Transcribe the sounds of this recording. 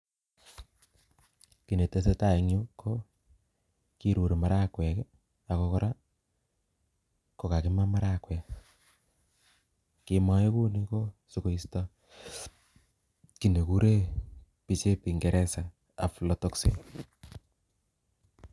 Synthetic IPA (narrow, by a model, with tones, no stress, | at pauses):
ki˨ne˨te˦s̬e˦ta˦˨e˨ŋju˦kʰo˦ | ki˦ɾu˨ɾe˨ma˨ɾa˦kwɛ˨k | a˨ko˧kɔ˦ɾa˦ | ko˨ka˨ki˦ma˦ma˦ɾa˦kwɛ˨ | ki˧mɔ˦je˦ku˦ni˦ko˦su˨ko˨˦i˦stɔ˦ | ki˨ne˨ku˦ɾe˦ | pi˨t͡ʃe˦pi˨ŋɡe˨ɾɛ˦sa˨ | a˨flo˨to˦ksḭ˦˨